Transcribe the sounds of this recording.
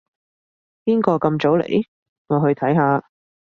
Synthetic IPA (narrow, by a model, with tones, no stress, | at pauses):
piː˥nkɔː˧kɐ˧mt͡so˨˥wlḛ˨˩j | ŋɔː˨˧ɦɵ˧ɥt̪ʰɐ˨˥jɦaː˧